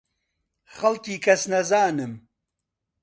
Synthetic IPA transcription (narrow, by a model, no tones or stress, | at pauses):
χɐlt̪iːkʰɐsnɐzaːnɨm